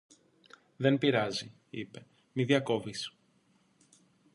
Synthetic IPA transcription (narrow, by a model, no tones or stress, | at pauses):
ðe̞npiɾɐzi | ipe̞ | miðjɐko̞vis